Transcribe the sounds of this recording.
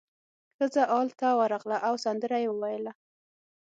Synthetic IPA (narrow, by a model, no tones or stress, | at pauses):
xəzaʔɑlt̪awəɾɑɣlaʔawsand̪əɾajewəwajəla